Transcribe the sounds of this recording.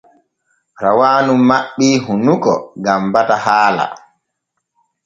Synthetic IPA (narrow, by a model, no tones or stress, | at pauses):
ɾawaːnumːaɓːiɦunukɔ̰ɡambatahaːla̰